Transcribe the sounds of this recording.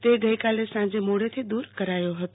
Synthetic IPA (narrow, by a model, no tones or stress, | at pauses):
t̪eɡɐikaːlesãːd͡ʑemoːɽet̪ʰid̪uːɾkəɾaːjoɦət̪o